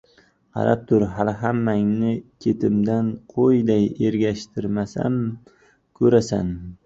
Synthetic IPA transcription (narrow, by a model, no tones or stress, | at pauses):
qʰɑ̰ɾap̚t̪ʰʊɾɦalɦamːaŋnɪkʲʰe̞t̪ʰɪmd̪anqʰojd̪aje̞ɾɡʲaʃt̪ʰɪɾmasa̰m | kʰɵɾasa̰n